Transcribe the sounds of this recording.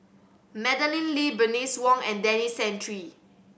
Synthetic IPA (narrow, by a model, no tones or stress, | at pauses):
mɛdəlĩnlibɹəniswɔ̃ŋɛ̃ndɛnisɛ̃ntʰɹi